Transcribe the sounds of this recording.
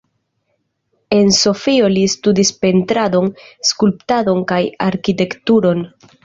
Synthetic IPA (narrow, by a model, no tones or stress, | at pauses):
e̞nso̞fio̞listudispe̞ntɾado̞nskulptado̞nkajaɾkite̞ktuɾo̞n